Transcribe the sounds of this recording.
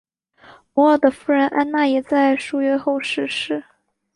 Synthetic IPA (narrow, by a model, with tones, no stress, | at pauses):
mɔ˧˥ə˨˩d̪ə˩fu˥ɻə˧˥nʔa˥nna˥˩jɛ˨˩t͡sa˥˧ɪʂu˥˩ɥɛ˥xo˥˧ʊʂɻ̩˥˧ʂɻ̩˥˩